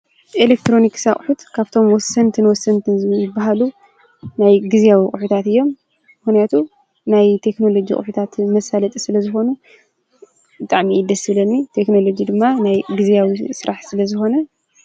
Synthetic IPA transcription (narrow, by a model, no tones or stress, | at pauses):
ʔelek̚t̪ʰɾo̞niksaχʼħut̪kʰaβt̪ʰo̞mwɔsːɐnt̪ʰɨnwɔsɐnt̪ʰɨnzɨbːaɦalu | najɡɨzijawikʼuħut̪ʰat̪ɨjːo̞mː | ɨxnijat̪ʰu | najt̪ʰe̞kno̞lo̞d͡ʒikʼʊ̰ħut̪ʰat̪mɐsalɐt̪ʼisɨlɐzɨxo̞nu | bɨt̪ʼaʕmiid̪ɐsɨβlɐnːit̪ʰe̞kno̞lo̞d͡ʒid̪ɨmːanajɡɨzjawisɨɾʔaħsɨlɐzɨxo̞nɐ